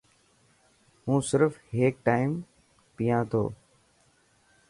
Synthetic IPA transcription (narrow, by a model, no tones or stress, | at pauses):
ɦũːsɪɾfɦeːk̚ʈaːɪm | pɪjãːt̪ʰo̰ː